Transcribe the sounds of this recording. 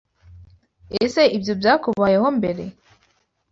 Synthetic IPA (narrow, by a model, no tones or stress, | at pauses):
ese̞ibjo̞bjaːkuβajeho̞mbe̞ɾe̞